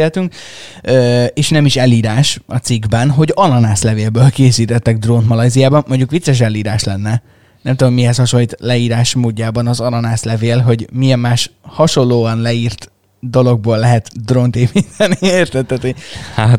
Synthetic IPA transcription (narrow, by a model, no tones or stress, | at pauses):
elt̪yŋk | øeːʃnɛmiʃɛlːiːɾaːʃɒt̪siɡbɛnɦo̞ɟɒnɒnaːslɛveːlbøːlkeːsiːt̪ɛt̪ːɛɡ̚d̪ront̪mɒlɒjzijaːbɒmmoɲɟukʋit̪sːɛʃ̬ɛlːiːɾaːʃlɛnːɛ | nɛmt̪udomiɦɛshɒʃonlːiːt̪lɛiːɾaːʃmoːɟːaːbɒnɒzɒnɒnaːslɛveːlɦo̞ɟmiɛmːaːʃhɒʃo̞llːoːɒnlɛiːrt̪ | d̪o̞lo̞ɡ̚boːlːɛɦɛt̪d̪ront̪eːpint̪ʰɛnieːrt̪ɛt̪ːɛt̪hat̪